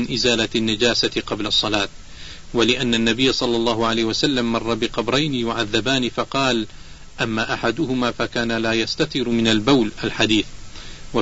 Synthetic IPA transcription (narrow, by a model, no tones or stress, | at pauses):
ɪnʔɪzaːlanːad͡ʒaːsaqɑblasˤːɑlaːt̪ | walɪʔanːanːabɪjːasˤɑlːɑlˤːɑːhʊʕalajːhɪwasalːamːɑrˤːɑbɪqɑbɾˤɑjniːjʊʕaðːabaːniːfɑqɑːl | ʔamːaːʔaħad̪ʊhʊmaːfakaːnalaːjast̪at̪ˤiːɾmɪnalbawlʔalħad̪iːθwa